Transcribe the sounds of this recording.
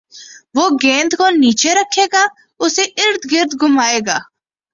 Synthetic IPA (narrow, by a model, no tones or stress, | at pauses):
ʋoːɡẽːnd̪koniːt͡ʃeɾəkʰːeːɡaː | ʊseʔɪɾd̪ɡɪɾd̪ɡʱʊmaːeːɡaː